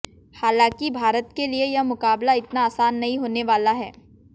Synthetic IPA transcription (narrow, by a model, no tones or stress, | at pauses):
haːlãːkibʱaːɾət̪keliejɐmʊkaːblaɪt̪naːsaːnːɐɦĩɦoːneʋaːlaɦɛ̰ː